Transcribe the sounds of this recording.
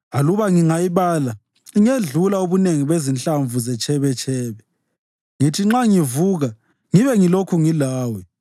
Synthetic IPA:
aluβaŋiŋajiβaːla | iŋeɮulauβuneŋiβezint͡ɬʼaɱvuzɛt͡ʃʰʼɛβɛt͡ʃʰʼɛːβɛ | ŋitʰiŋ͡ǁaŋivuːɣa | ŋiβɛŋilokʰuŋilaːwɛ

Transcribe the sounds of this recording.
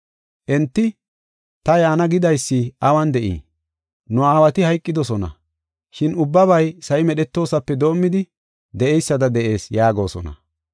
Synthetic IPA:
ʔɛnt̪ːɪ | t̪ɐjaːnɐɡɪd̪ɐjsːiʔɐwɐnd̪ɛʔḭː | nʊaːwɐt̪ɪhɐjkʼːɪd̪ɔsɔnɐ̰ | ʃɪnʊbːɐβɐjsɐjɪmɛɗɛt̪ːo̞ːsɐpːɛd̪o̞ːmːɪd̪ɪ | d̪ɛʔɛjsːɐd̪ɐd̪ɛʔe̞ːsjaːɡo̞ːsɔ̰nɐ̰

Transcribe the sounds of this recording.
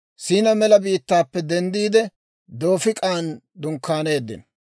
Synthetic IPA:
siːnɐmɛlɐbiːt̪ːaːpːɛd̪ɛnd̪iːd̪ɛ | d̪o̞ːfɪkʼaːn | d̪ʊŋkʰːaːne̞ːd̪ːɪ̰n

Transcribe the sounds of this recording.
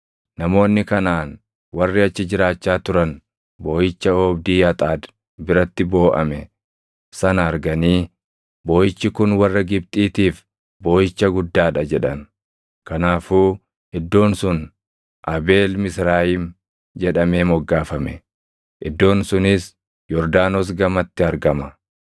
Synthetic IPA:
nɐmo̞ːnːɪkɐnaːn | wɐrːɪɐt͡ʃːɪd͡ʒɪɾaːt͡ʃːaːt̪ʊɾɐn | bo̞ːjɪt͡ʃːɐɔːbd̪iːɐt̪ʼaːd̪ | bɪɾɐt̪ːɪbo̞ːʔɐ̰mɛ | sɐnɐːɾɡɐniː | boːjɪt͡ʃːɪkʊnwɐrːɐɡɪbt̪ʼiːt̪iːf | boːjɪt͡ʃːɐɡʊd̪ːaːᶑɐd͡ʒɛᶑɐn | kɐnaːfuː | ʔɪd̪ːo̞ːnsʊn | ʔɐbe̞ːlmɪsɾaːjɪm | d͡ʒɛᶑɐme̞ːmɔɡːaːfɐmɛ̰ | ʔɪd̪ːo̞ːnsʊnɪs | jɔɾd̪aːnoːsɡɐmɐt̪ːɪɐɾɡɐmɐ

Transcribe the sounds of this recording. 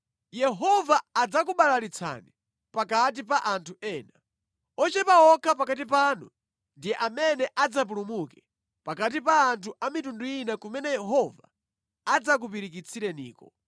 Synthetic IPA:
jɛɦɔvaːd͡zak̬uɓalalit͡sʰa̰ni | pakat̬ipaʔantʰuɛːna | ɔt͡ʃɛpaɔkʰapakatipaːnṵ | ndijɛʔamɛnɛʔad͡zap̬ulumukɛ | pakat̬ipaːntʰuʔamitundujinakumɛnɛjɛɦɔva̰ː | d͡zak̬up̬iɾikit͡sʰiɾɛnḭːkɔ

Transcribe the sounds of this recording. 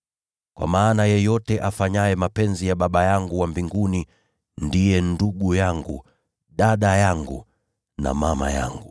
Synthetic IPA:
kwa̰maːnajɛjɔtɛʔafaɲajɛmapɛnzijaɓaɓajaŋɡuwambiŋɡuni | ndijɛnduɡujaŋɡṵ | ɗaɗajaŋɡṵ | na̰mama̰ja̰ŋɡu

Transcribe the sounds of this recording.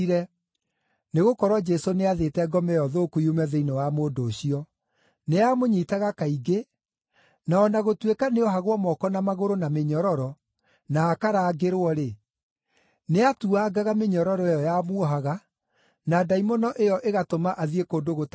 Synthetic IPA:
ɾɛ | neɣokɔɾwɔd͡ʒɛsoneaðetɛɡɔmɛjɔðoːkuiumɛðeinɔwamoːdoːɕiɔ | neamoɲitaɣakaiɡe | naɔnaɣotwekaneɔɦaɣwɔmɔkɔnamaɣoɾonameɲɔɾɔɾɔ | naːkaɾaːɡeɾoɔɾe | neatuaɡaɣameɲɔɾɔɾɔejɔjamwɔɦaɣa | nadaimɔnɔʔejɔʔeɣatomaʔaðiekoːndoɣot

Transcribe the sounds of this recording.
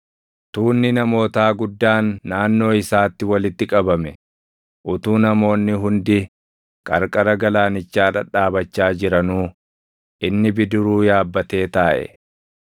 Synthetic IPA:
t̪uːnːɪnɐmo̞ːt̪aːɡʊd̪ːaːnːaːnːo̞ːɪsaːt̪ːɪwɐlɪt̪ːɪkʼɐbɐmɛ | ʔʊt̪uːnɐmo̞ːnːɪɦʊnd̪ɪ | kʼɐɾkʼɐɾɐɡɐlaːnɪt͡ʃːaːᶑɐᶑaːbɐt͡ʃːaːd͡ʒɪɾɐnuː | ʔɪnːɪbɪd̪ʊɾuːjaːbːɐt̪e̞ːt̪aːʔɛ̰

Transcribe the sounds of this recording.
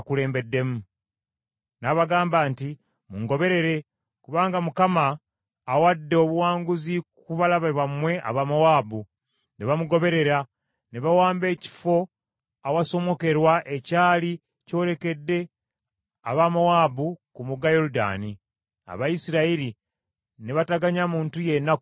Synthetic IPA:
akule̞ːmbe̞dːe̞mu | naβaɡaːmbaːnti | muŋɡo̞βe̞ɾe̞ɾe̞ | kuβaːŋɡamukamaː | wadːeo̞βuwaːŋɡuzikuβalaβaβwamwe̞ʔa̰βamowaːbu | neβamuɡo̞βe̞ɾe̞ɾa | neβawaːmbe̞ːci̥fo̞ | awaso̞mo̞ke̞ɾwaʔe̞caːli | co̞ːɾe̞ke̞dːe̞ | aβamawaːbukumuɡajo̞ɾuda̰ːni | a̰βajisiɾaiɾi | neβataɡaɲamuːntuje̞nːak

